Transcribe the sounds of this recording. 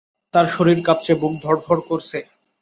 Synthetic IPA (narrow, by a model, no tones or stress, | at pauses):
t̪aɾʃoɾiɾkap̚t͡ɕebuɡ̚d̪ʱɔɾb̪ʱɔɾkoɾt͡ɕʰe